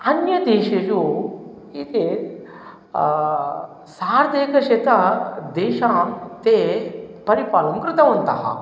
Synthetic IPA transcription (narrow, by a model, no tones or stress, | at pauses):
ɐnjɐd̪eːʃɐju | it̪e | saːɾd̪eːkɐʃet̪ɐd̪eːʃaːmt̪eːpɐɾipaːlɐŋkɾɨt̪ɐʋɐnt̪ɐɦɐ̰